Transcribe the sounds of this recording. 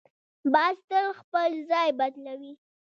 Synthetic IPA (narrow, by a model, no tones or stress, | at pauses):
bɑst̪əɾxpəlzɑjbad̪lawi